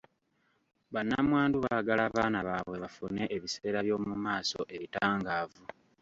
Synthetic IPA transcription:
βanːamwaːnduβaɡalaːβaːnaβaːβwe̞βafune̞ʔeβiseːɾaβjo̞ːmumaːso̞̰ʔe̞βitaːŋɡaːvu

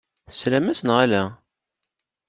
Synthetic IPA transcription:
θə̥slæmæsənʁælæ

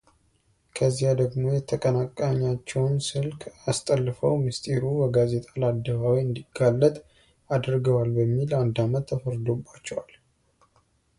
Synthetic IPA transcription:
kʰəzːihad̪əɡmo̞jɛt̪ʰəkʼənakʼaɲːat͡ʃːɛwnsɨlkʼast̪ʼəlːfəwmɨst̪ʼeɾuwəɡaze̞t̪ʼalad̪ːəβawiɨnd̪iɡalːət̪ʼ | ad̪ɾɡəwalbəmːiland̪amət̪ʰːəfəɾd̪o̞bːat͡ʃːɛwal

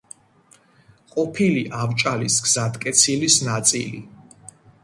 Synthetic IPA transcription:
qʼɔpʰiliʔavt͡ʃʼalisɡzad̪kʼɛt̪sʰilisnat̪sʼḭlḭ

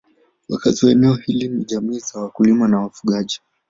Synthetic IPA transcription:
wakatiwaɛnɛɔhiliniʄamiːzawakulimanawafuɠaʄi

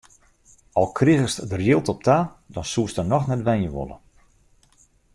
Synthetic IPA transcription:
ɔlˠkʰriɣəstdərjɪlˠtɔp̚tʰaːdɔnsuəstənɔxnɛtʋɛnjəʋo̰lˠə̰

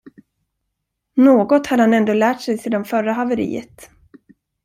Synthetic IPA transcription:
noːɡɔt̪had̪əhanɛnd̪oːlæːʈsɛjseːd̪anfœɾaɦavɛɾḭːə̰t̪

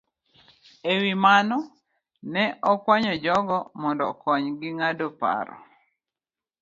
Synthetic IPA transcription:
ewimanɔ | nɛʔɔkwaɲɔd͡ʒɔɡɔmɔndɔ̰kɔɲɡɪŋadopa̰ɾɔ̰

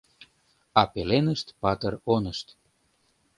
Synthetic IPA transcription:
ɑpelenəʃt̪pɑt̪əronəʃt̪

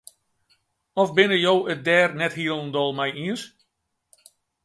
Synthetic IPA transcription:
ɔfbɪnəjowət̚dɛːrnɛthiəlˠndɔlˠmɛjiəs

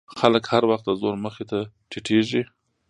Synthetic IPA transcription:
xaləkhaɾwaxt̪əzoɾməxet̪aʈʰiʈʰeʒi

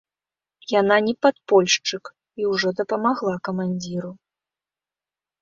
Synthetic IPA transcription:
jan̪anʲɛpat̪̚pɔlʲʂt͡ʂɨk | iwʐɔd̪ɐpɐmaɣlˠakɐmanʲd͡zʲiɾu

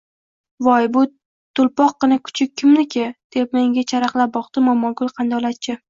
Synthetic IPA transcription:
vɒjbʊ | t̪ʰʊlpɒq̚ːɨnɪkʰʊ̥t͡ʃʰɪkʲʰːɪmnɪkʲʰɪd̪̥e̞p̚me̞ŋɡʲat͡ʃʰaɾaqlˠap̚bɒqd̪ɪmɒmɒlˠɡʊlˠqʰɑnd̪ɒlat̪t͡ʃʰɪ

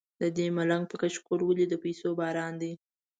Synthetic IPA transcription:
d̪əd̪emalaŋɡ̚pəkaʃkoɾwəlid̪əpajsobɑɾɑnd̪i

